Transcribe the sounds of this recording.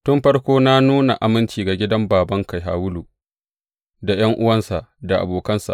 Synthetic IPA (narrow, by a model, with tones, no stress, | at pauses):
tʊ˦mɸɐ˦rkʷoː˦na˦nuː˦na˨ʔa˨mɪ˦nt͡ʃiː˨ɡa˨ɡʲɪ˦dɐ˦mbaː˨bɐ˦ŋka˨jɦa̰ː˨wʊ˦lu˨ | da˨jɐ˦ŋʔʊ˦wɐ˦nsa˨ʔda˨ʔa̰˨boː˨kɐ˦nsa̰˨ʔ